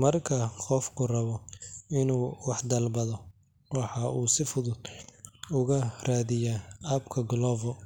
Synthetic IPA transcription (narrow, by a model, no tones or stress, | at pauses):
mɐrkʰɐqɔfkʰʊrɐβɔɪnuːwɑħd̪ɐlbɐðɔ | wɑħɑʔuːsɪfʊðʊd̪̥̚ | ʊɣɐraːðɪjaaːbkʰɐɡlɔːvɔ